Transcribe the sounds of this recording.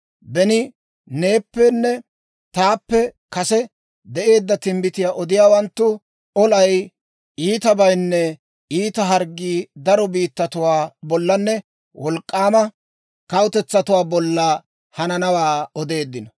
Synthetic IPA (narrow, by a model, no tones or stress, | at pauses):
bɛnɪ | ne̞ːpːɛnːɛ | t̪aːpːɛ | kɐsɛ | d̪ɛʔe̞ːd̪ːɐt̪ɪmbɪt̪ɪjaːʔɔd̪ɪjaːwɐnt̪ːʊ | ɔlɐj | iːt̪ɐbɐjnːɛ | iːt̪ɐɦɐɾɡːiːd̪ɐɾɔbiːt̪ːɐt̪ʊwaːbɔlːɐnːɛ | wɔlkʼːaːmɐ | kɐwt̪ɛt͡sːɐt̪ʊwaːbɔlːɐ | hɐnɐnɐwaːɔd̪e̞ːd̪ːɪnɔ